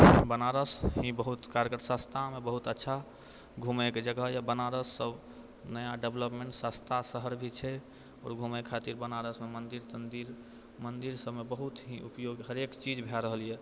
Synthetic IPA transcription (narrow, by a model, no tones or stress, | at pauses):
bənaɾəsɦĩbəɦut̪kaɾəkəɾsast̪ʰamebəɦut̪ətːʃʰa | ɡʱumeked͡ʒəɡɦjɛbənaɾəsːəb | nəjaɖebləpmeɳʈsast̪ʰasəɦəɾbʱit͡ʃʰɛ | ɔ̰ːɾɡʱumekʰat̪iɾbənaɾəsmemənd̪iɾt̪ənd̪iɾ | mənd̪iɾsəbʱmebəɦut̪ɦĩupjoɡɦəɾekt͡ʃid͡ʒbʱaɾəɦəlijɛ